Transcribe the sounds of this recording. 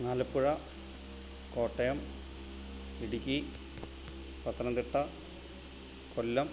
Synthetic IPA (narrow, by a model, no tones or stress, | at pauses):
ŋaːlɐpːuɻɐ | ko̞ːʈːɐjɐm | iɽikʲːi | pɐt̪ːɐnɐnd̪iʈːɐ | kolːɐm